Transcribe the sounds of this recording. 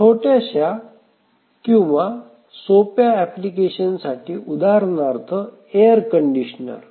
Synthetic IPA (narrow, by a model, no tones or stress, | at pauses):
ʈʰoʈaɕja | kĩw̃ʋa | sopjaɛplikeɕənsaʈʰiːud̪ʱaɾnaɾt̪ʰə | ejəɾkəɳɖiɕnə̰ɾ